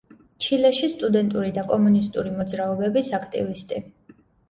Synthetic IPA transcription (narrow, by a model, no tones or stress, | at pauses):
t͡ʃʰilɛʃist̪ʼud̪ɛnt̪ʼuɾid̪akʼɔmunist̪ʼuɾimɔd̪zɾaɔbɛbisakʰt̪ʼḭvist̪ʼi